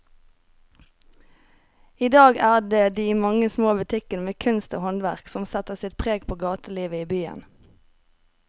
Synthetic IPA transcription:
iːd̪ɑːɡæːʁɖ̪eːd̪iːmɑŋəsmoːbʉt̪ʰɪkənəmeːkʰʉnst̪o̰ːhɔnʋæʁksɔmsɛt̪əʁsɪt̪̚pʰʁeːɡpʰoːɡɑːt̪əliːʋəiːbyːə̰n

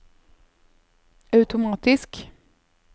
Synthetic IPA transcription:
ɑʉt̪ʊmɑːt̪ɪsk

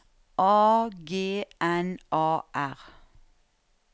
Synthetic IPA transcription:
ʔɑːɡeːʔɛnʔɑːʔæʁ

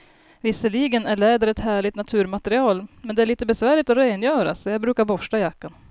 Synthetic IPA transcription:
vɪsːəliːɡənæɭɛːd̪əɾɛt̪hæːɭɪt̪nat̪ʰʉ̟ːɾmat̪əɾɪɑːlmɛnd̪ɛæɭiːt̪əbɛsvæːɭɪt̪ɔɾeːnjœːɾa̰sɔjaɡbɾʉ̟ːkaɾbɔʂʈajakːan

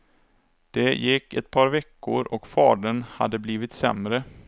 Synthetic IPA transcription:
d̪̥ɛjɪkːɛt̪pʰɑːɾvɛkːʊ̰ɾɔkfɑ̰ːɖənha̰d̪ːəbliːvɪt̪sɛmɾə

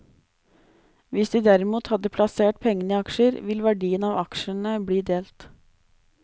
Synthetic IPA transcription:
ʋɪsd̪iːd̪æɾɪmuːt̪hɑd̪əpʰlɑseːʈ̚pʰɛŋːənɪɑkʃəɾʋɪlʋæɖiːənɑːʋɑkʃənəbɽiːd̪eːlt̪

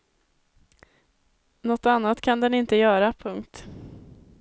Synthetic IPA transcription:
nɔt̪ːanːat̪kʰand̪ɛnɪnt̪əjœːɾapʰɵŋkt̪

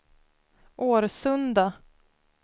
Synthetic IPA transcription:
ʔoːɾsɵnd̪a

